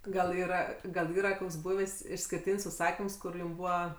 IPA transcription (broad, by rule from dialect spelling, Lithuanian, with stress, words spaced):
ɡɐlˠ ˈiːrɐ ɡɐlˠ ˈiːrɐ ˈkoːks ˈbuːʋʲeːsʲ ɪʃʲsʲkʲɪrʲˈtʲiːnʲsʲ ʊʃˈsɑːkʲɪms ˈkʊr ˈjʊm ˈbuːʋɐ